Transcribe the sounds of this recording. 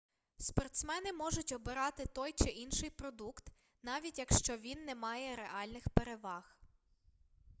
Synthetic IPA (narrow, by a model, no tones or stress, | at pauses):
spɔrt̪smɛnɪmɔʒʊtʲɔbɪɾɑt̪ɪt̪ɔjt͡ʃɪʔinʃɪjpɾɔd̪ukt̪ | nɑʋʲitʲjɐkʃt͡ʃɔʋʲinːɛmɑjɛɾeʔɑlʲnɪxpeɾeʋɑx